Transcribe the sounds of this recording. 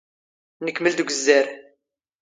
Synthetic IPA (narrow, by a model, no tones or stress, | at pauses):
nəkːməld̪ɡʷəzːæɾ